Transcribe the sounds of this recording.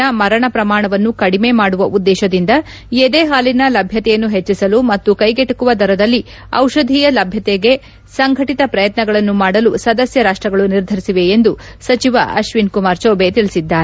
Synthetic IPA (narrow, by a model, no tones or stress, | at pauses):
ɐmɐɾɐɳɐpɾɐmaːɳɐʋɐnːukɐɽime̞maːɽuʋɐʔud̪ːɛːʃɐd̪ind̪ɐ | ed̪eːɦaːlinɐlɐbʱjɐt̪ɛjɐnːuɦet͡ʃːisɐlumɐt̪ːukɐjɡeʈɐkuʋɐd̪ʱɐɾɐd̪ɐlːi | ɐ̰wʃɐd̪ʱiːjɐlɐbʱjɐt̪ɛɡe̞ | sɐŋɡʱɐʈit̪ɐpɾɐjɐt̪nɐɡɐɭɐnːumaːɽɐlusɐd̪ɐsjɐɾaːʂʈɾɐɡɐɭuniɾd̪ʱɐɾisiʋe̞ːnd̪u | sɐt͡ʃiʋɐ̰ʔɐʃʋinkumaːɾt͡ʃɐwbe̞t̪iɭisid̪ːaːɾe